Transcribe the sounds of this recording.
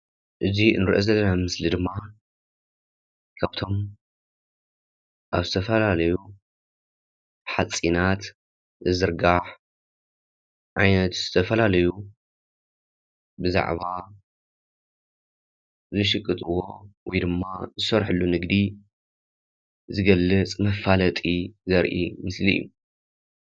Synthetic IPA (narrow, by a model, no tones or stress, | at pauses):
ʔɨziɨ̰nɨɾʔozɐlːɐnamɨslid̪ɨmːa | kʰaβt̪ʰo̞m | ʔaβzɨt̪ʰɐfɐlalɐju | ħat͡sʼinat̪ | ɨzɨɾɡaħ | ʕajnɐt̪z̥ɨt̪ʰɐfɐlalɐju | bɨza̰ʕβa | zɨʃɨkʼːɨt̪ʼɨwo̞̰wɔjd̪ɨmːazɨsɐɾħɨlːunɨɡd̪i | zɨɡɐlːɨt͡sʼmɐfːalɐt̪ʼizɐɾʔḭmɨslijːṵ